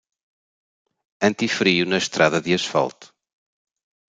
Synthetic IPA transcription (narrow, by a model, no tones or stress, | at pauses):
ɐ̃nt̪ifɾiunɐʃt̪ɾaðɐðɨɐʃfa̰lˠt̪u̥